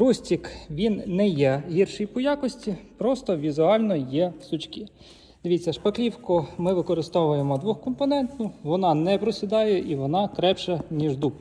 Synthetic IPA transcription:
ɾusʲtʲikʋʲinːɛjɛɦʲirʃijpɔjakɔsʲtʲipɾɔst̪ɔʋʲizʊɑlʲnɔjɛsʊt͡ʃkʲi | d̪̥eʋʲit͡sʲːɐʃpɐklʲiwkʊmɪʋɪkɔɾɪst̪ɔʋʊjemɔd̪ʋuxkɔmpɔnɛnt̪nʊʋɔnɑnɛpɾɔsʲid̪ɑjɛʔiʋɔnɑt̪ɾɛpt͡ʃɐnʲiʒd̪up

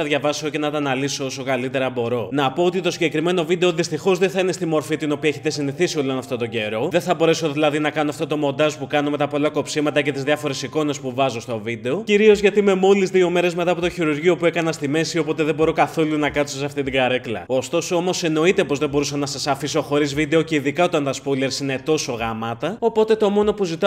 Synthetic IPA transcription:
ɐðʝɐvɐsoce̞nɐt̪ɐnɐliso̞oso̞kɐlit̪e̞ɾɐbo̞ɾo̞nɐpoot̪it̪o̞siɲɟe̞kɾime̞no̞vid̪e̞o̞ðist̪ixo̞zðenθɐine̞st̪imo̞ɾfit̪ino̞piɐeçet̪e̞siniθisiolo̞nɐft̪o̞t̪o̞ɟe̞ɾo̞ðe̞θɐbo̞ɾe̞so̞ðilɐðinɐkɐnoɐft̪ot̪o̞mo̞nd̪ɐzpukɐno̞me̞t̪ɐpo̞lɐko̞psimɐt̪ɐce̞t̪izðjɐfo̞ɾe̞siko̞ne̞spuvɐzo̞st̪o̞vid̪e̞o̞ciɾio̞zʝɐt̪ime̞mo̞lizðio̞me̞ɾe̞zmet̪ɐpo̞t̪o̞çiɾuɾʝio̞pue̞kɐnɐst̪ime̞sio̞po̞t̪e̞ðe̞bo̞ɾo̞kɐθo̞lunɐkɐt̪soseɐft̪it̪iɡɐɾe̞klɐ̰o̞st̪o̞soomo̞se̞no̞it̪e̞po̞zðe̞bo̞ɾusɐnɐsɐsɐfiso̞xo̞ɾizvid̪e̞o̞ce̞iðikɐo̞t̪ɐnt̪ɐspole̞ɾsine̞t̪o̞so̞ɣɐmɐt̪ɐo̞po̞t̪e̞t̪o̞mo̞no̞puzit̪ɐ

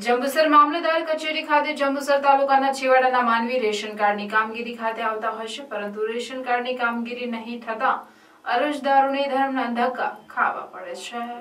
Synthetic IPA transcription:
d͡ʒəmbusəɾmamləd̪aɾkət͡ʃeɾikʰat̪ed͡ʒəmbəsəɾt̪alukanat͡ʃʰiʋaɽanamanʋiɾeʃənkaɾnikamɡiɾikʰat̪eaʋt̪aɦojʃepəɾənt̪uɾeʃənkaɾnikamɡiɾinəɦĩt̪ʰət̪ã | ə̰ɾəd͡ʒd̪aɾonid̪ʱaɾmnand̪ʱaka̰kʰa̰ʋa̰pəɽet͡ʃʰe

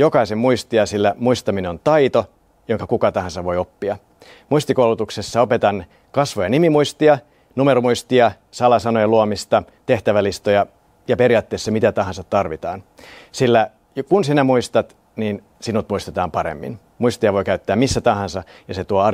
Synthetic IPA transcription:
jokɑisemmuist̪iɑsilːæmuist̪ɑmineont̪ɑit̪o | joŋkɑkukɑt̪ɑɦɑnsɑʋʋo̞jopːiɑ | muist̪ikowlut̪uksesːɑopet̪ɑn | kɑsʋojɑnimimuist̪iɑ | numeɾomuist̪iɑ | sɑlɑsɑnojɑluomist̪ɑ | t̪e̞ht̪æʋælist̪ojɑ | jɑpeɾiɑːt̪ːeːsːɑmit̪æt̪ɑɦɑnsɑt̪tːɑrʋit̪ɑ̰ːnsilːæ | jkunsinæmuist̪ɑt̪ | niːn | sinut̪muist̪et̪ɑːmpɑɾḛmːḭn | muist̪ijɑʋo̞ikæyt̪ːæːmmisːæt̪ɑɦɑnsɑjɑset̪uoɑ

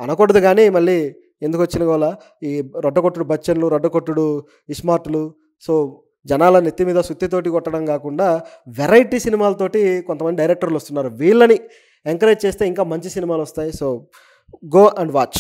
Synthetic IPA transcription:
ɐnɐkɔɽɐd̪uɡaːniːmɐɭːiː | ed̪ukʋɐt͡ʃːinɐɡɔʋɐlɐ | iːɾɔɖːɐkoʈːuɽubɐt͡ʃːɐnluɾɔɖːɐkoʈːuɽu | ismaːɾʈulu | soː | d͡ʒɐnaːlɐnit̪ːimiːd̪ɐsut̪ːit̪oːʈ̬ikɔʈːɐɽɐmkaːkuɳɖaːʋeɾɐjʈiːsinimaːlɐt̪o̞ːʈikont̪ɐmɐnd̪iɖɐjɾek̚ʈɐɾlost̪unːaːɾuʋiːɭːɐni | eŋkɐɾeːʈ̚t͡ʃe̞ːst̪e̞ːiŋkaːmɐɲt͡ʃisinimaːluɐst̪aːjisoː | ɡo̞ːʔɐɳɖʋaːt͡ʃː

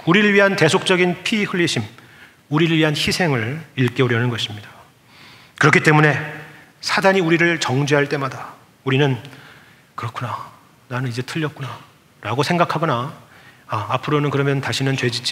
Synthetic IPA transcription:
uɾiɾɯɭɥiɦante̞sʰok̚t͡ɕ͈ʌɡinpʰiɸɯɭːiɕʰim | uɾiɾɯɭɥiɦançisʰe̞ŋɯɭiɭk͈eoɾjʌnɯnɡʌɕʰimɲidḁ | kɯɾʌkʰit͈e̞mune̞ | sʰadaɲiuɾiɾɯɭt͡ɕʌŋd͡ʑeɦaɭt͈e̞mada | uɾinɯn | kɯɾʌkʰuna | nanɯnid͡ʑe̞tʰɯʎːʌk̚k͈una | ɾaɡosʰe̞ŋɡakʰaɡʌna | aːpʰɯɾonɯnkɯɾʌmjʌntaɕʰinɯnt͡ɕwe̞d͡ʑit͡ɕ͈ʰ

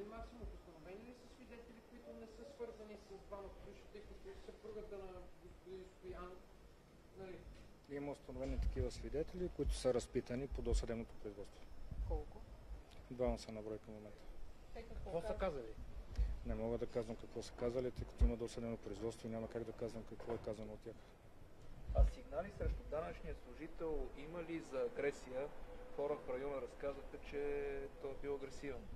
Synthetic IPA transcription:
imaksimuʊst̪ɐnovɛniəlisəsvid̪ɛt̪ɛlʲikʊit̪ʊnɛsɤsvɤɾzɐnisɐb̪vanot̪obiʃə̥t̪əikok̪t̪sɛpɾuɡət̪ənɐɡospʊd̪inst̪ʊjanof | nɐliiməʊst̪ɐnovɛnit̪ɐ̥k̟ivəsvid̪ɛt̪ɛlikoit̪ʊ̥səɾɐspit̪ənipod̪ɔsɐd̪ɛbnot̪o̥pɾoizvɔt̪st̪vokɔlˠkʊd̪vavɐsɛnɐbɾɔjkɐmːomɛnt̪ə̥ | kvɔsəkazəlinɛmɔɡəd̪ɐkazvɐmkɐkvɔsə̥kazəlit̪əjkɐ̥t̪oiməd̪ɔst̪ɐd̪ɛbnopɾoizvɔt̪st̪voinʲamɐkaɡd̪ɐkazvɐmkɐkvɔɛkazɐnoːt̪tʲːjax | asiɡnalisɾɛʃt̪ʊd̪anət͡ʃniəslˠʊʒit̪ɛlˠiməlizɐːɡɾɛsijəxɔɾəfɾɐjɔnəɾɐskazəxɛt͡ʃɛt̪ɔɛbiwˠɐɡɾɛsivɛn

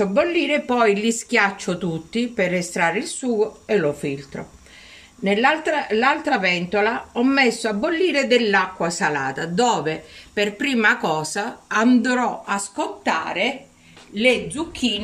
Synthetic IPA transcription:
abːolːiːɾepɔjlisk̟jat͡ʃːot̪ut̪ːiperest̪ɾaːɾilsuːɡoelofilt̪ɾo̰ | nelalt̪ɾalːalt̪ɾavɛnt̪olaɔmːesːoabːolːiːɾed̪elːakːwasalaːt̪ad̪ɔːveperpɾiːmakɔːsaand̪ɾɔaskot̪ːa̰ːɾe | lɪd̪zukʰːiːn

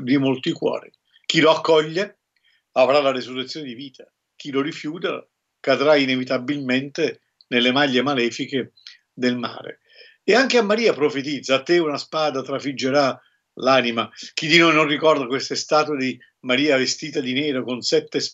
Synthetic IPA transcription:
d̪imolt̪ikwɔ̰ːɾi | k̟iloakːɔʎːe | avɾalaresurːet̪sːjoːnɪd̪iviːt̪ʰḁ | k̟ilorifjuːt̪a̰ | kad̪ɾainevit̪abilment̪e | nelːemaʎːemalɛːfike | d̪elma̰ːɾḛ | eaŋkeamːaɾiːapɾofet̪id̪zːaːt̪ːeunaspaːd̪at̪ɾafid͡ʒːeɾa | laːnimak̟id̪inojnonrikɔrd̪akwest̪est̪aːt̪d̪i | maɾiːavest̪iːt̪ad̪inɛːɾokonsɛt̪ːes

